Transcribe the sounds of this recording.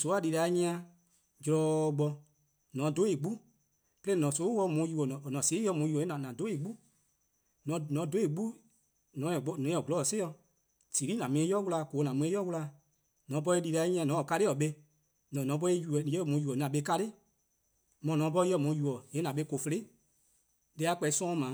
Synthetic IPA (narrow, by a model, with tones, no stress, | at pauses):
so˨˦a˨li˧ɾa˨˦ɲĩ˦ã˧ | d͡ʒlɔ˧ɡ͡bɔ˧ | nɔ̃˨˦do˨˦e˨ɡ͡bu˦ | plẽ˦nɔ̃˨so˨˦wɔ˧˦mũ˨˧˦ju˧˨ɔ˨nɔ̃˨nɔ̃˨se˨˦ɔ˧˦mũ˧˦ju˨ɔ˨e˦nã˨nã˨do˨˦e˨ɡ͡bu˦ | ñ˨˦nɔ̃˨˦do˦e˨ɡ͡bu˦ | nɔ̃˨˦ɛ̃˨ɡ͡bɔ˨˦nɔ̃˨˦ɛ̃˨ɡu˨lɔ˨˦˨se˦ɔ˧ | si˨ɾi˦nã˨mĩ˧˦ẽ˦jɔ˦wu˧la˧˨ko˨˦nã˨mũ˧˦ẽ˦jɔ˦wu˧la˧˦ | nɔ̃˨˦p̬ɔ˧e˧li˧ɾa˧i˦ɲɛ̃˧˨nɔ̃˨˦ɔ˨ka˧ɾe˦ɔ˨ɓe˧ | nɔ̃˨nɔ̃˨˦p̬ɔ˦e˦ju˧˨je˦˨mũ˨˦ju˨ɔ˨nã˨ɓe˧˦ka˧ɾe˦ | mɔ̃˨nɔ̃˨˦p̬ɔ˧˦jɔ˧˦˨mũ˨˧˦ju˨ɔ˨e˨˦nã˨ɓe˧˦ko˨fe˧le˦ | le˧˦a˧˦k͡pɛ˧i˦sɔ̃˦˧˦mãː˨˦